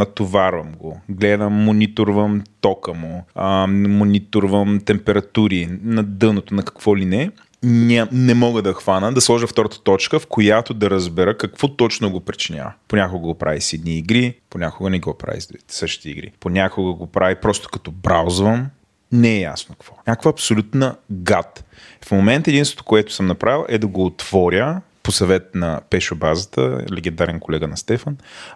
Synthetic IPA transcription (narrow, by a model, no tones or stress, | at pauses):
nɐt̪ovaɾvɐmɡoɡlɛd̪əmːonit̪ʊɾvəmt̪ɔkəmo | monʲit̪oʊɾvəmt̪ɛmpɛɾɐt̪uɾinɐd̪ɤnot̪onɐkɐ̥kv̥ɔlinɛ | nʲanɛmɔɡəd̪ɐxvanəd̪ɐslˠɔʒəft̪ɔɾət̪ə̥t̪ɔt͡ʃkəfkojat̪od̪ɐɾɐzbɛɾəkɐkvɔt̪ɔt͡ʃnoɡopɾit͡ʃinʲa̰vɐponʲakoɡəɡopɾʔa̰visɛd̪niːɡɾiponʲakʊɡənɛɡɔpɾa̰vḭzd̪ɾuit̪ɛ̥səʃt̪iḭɡɾḭponʲakʊɡəɡopɾavipɾɔst̪o̥kɐ̥t̪ɔbɾawzvəm | nɛɛja̰snokkvɔnʲakvəɐpsolʲut̪nəɡat̪ | fmomɛnt̪ɛd̪inst̪vo̥t̪o̥koɛt̪ʊ̥səmnɐpɾʔavilˠʔɛd̪ɐɡoːt̪v̥ɔɾʲjə | posɐvɛt̪̚nɐpɛʃobazət̪ə̰lɛɡ̟ɛnd̪aɾɛnkolɛɡənɐst̪ɛfən